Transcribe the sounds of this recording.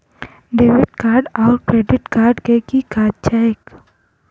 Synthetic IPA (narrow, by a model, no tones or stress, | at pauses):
ɖeːʋɪʈkaːɾɖɔːɾkɾeːɖɪʈkaːɾɖkekikaːd̚t͡ʃaːjək